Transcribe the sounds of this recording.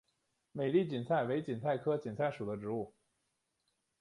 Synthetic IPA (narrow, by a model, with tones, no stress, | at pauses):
me˨˩ɪli˥˩t͡ɕi˨˩nt͡sʰa˥˩ɪwe˧˥ɪt͡ɕi˨˩nt͡sʰa˥˩ɪkʰɤ˥t͡ɕi˨˩nt͡sʰa˥˩ɪʂu˨˩d̪ə˦ʈ͡ʂɻ̩˧˥u˥˩